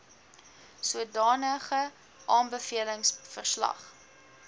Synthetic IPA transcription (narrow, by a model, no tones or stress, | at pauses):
suədɑːnəχə | ʔɑːmbəfiələŋsfərslɐ̰χ